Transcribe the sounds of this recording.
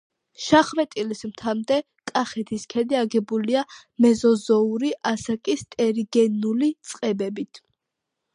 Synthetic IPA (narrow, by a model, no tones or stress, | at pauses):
ʃaχmɛt̪ʼilismt̪ʰamd̪ɛ | kʼaχɛt̪ʰiskʰɛd̪iaɡɛbulia | mɛzɔzɔuɾiʔasakʼist̪ʼɛɾiɡɛnulit̪sʼqʼɛbɛbit̪ʰ